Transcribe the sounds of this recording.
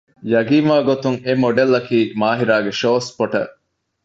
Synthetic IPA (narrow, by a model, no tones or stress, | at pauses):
jɐɡiːnʋaːɡot̪uŋemoɖelːɐkiːmaːɦiɾaːɡeʃoːspoʈɐ̰ʔ